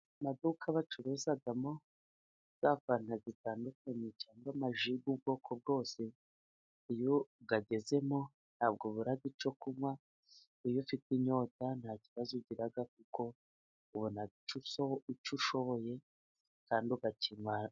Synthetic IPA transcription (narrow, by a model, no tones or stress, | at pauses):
madukʰaβat͡ʃuɾezaɡamo̞ | z̥akanazitaːndukaɲet͡ʃaːŋɡamaʒiɡubɡo̞ːkʰo̞b̚ɡo̞ːse̞ | ijoɡaɡe̞ze̞mo̞ | n̥haːb̚ɡoβuɾaɡit͡ʃo̞kumwa | ijofitiɲo̞tan̥haciβazuɟiɾaɡak̚uko̞ | uβonait͡ʃuoit͡ʃuʃo̞βoje̞ | kaːndiuɡatʰimwa